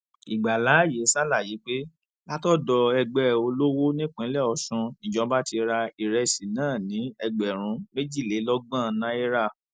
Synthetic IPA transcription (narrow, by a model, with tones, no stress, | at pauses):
i˨ɡ͡ba˨la˨˦˨je˨˦sa˦la˦˨ji˨˦k͡pe˦ | la˦tɔ˦dɔ˧ɛ˧ɡ͡bɛ˦˨o˧lo˦wo˦nĩ˦k͡pĩ˨˦lɛ˦˨ɔ˧ʃũ˧i˨d͡ʒɔ̃˨˦ba˦ti˧ɾa˧i˨ɾɛ˧si˨nãː˦˨nĩ˨˦ɛ˧ɡ͡bɛ˨ɾ̃ũ˧˦me˦d͡ʒi˦˨le˨˦lɔ˦ɡ͡bã˦˨˦nã˦e˦ɾa˦˨